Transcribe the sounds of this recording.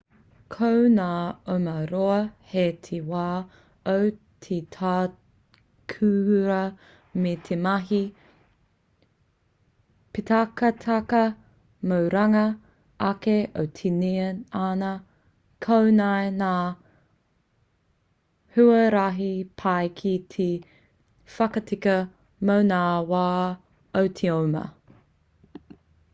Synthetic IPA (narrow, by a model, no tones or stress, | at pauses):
kʰownaːomɐɾoɐhet̪ʰewaː | ow | tʰetʰaː | kʰʉɾɐ | met̪ʰemɐɦi | pitakɐt̪ʰɐkɐ | mowɾɐŋɐ | ʔɐkeʔowtʰinianɐ | kʰownajnaː | hʉɐɾaɦipʰajkʰit̪ʰe | fɐkɐtʰikɐ | mownaːwaː | owtʰeomɐ̰